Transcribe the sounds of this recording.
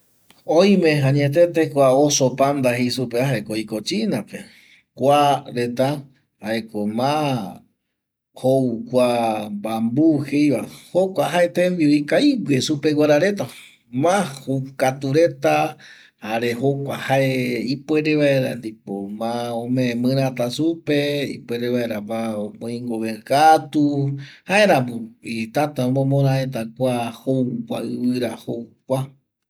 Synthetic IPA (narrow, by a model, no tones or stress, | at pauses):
oj̃mẽɦãɲet̪̬et̪ekʷaosopand̪aɦejsupeaɦaekoikot͡ʃinape | kʷaɾet̪a | haekomã | houkʷambambuhejβahokʷaɦaet̪ẽmbioikaiwwesupewʷaɾaɾe̞t̪a | mãhokat̪uɾe̞t̪a | haɾehokʷahaeipweɾeβaeɾa̰nd̪ipomãõmẽmɨ̃ɾãt̪asupeḭpweɾeβaeɾabaopõĩŋɡoβekat̪uhaeɾabuit̪at̪aõmõmõɾãet̪̬akʷahowkʷa̰ɨβɨɾahokʷa